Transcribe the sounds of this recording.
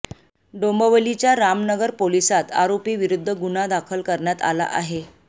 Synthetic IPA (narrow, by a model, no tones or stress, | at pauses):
ɖombəʋəlit͡ɕjaɾamnəɡəɾpolisat̪a̰ɾopiːʋiɾud̪ʱːəɡunad̪akʰəlkəɾɳjat̪a̰la̰ʔaɦe